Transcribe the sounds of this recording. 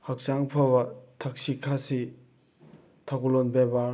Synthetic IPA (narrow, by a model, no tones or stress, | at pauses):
hak̚saŋpʰabɐt̪ʰak̚ɕikʰasi | t̪ʰakulonbeba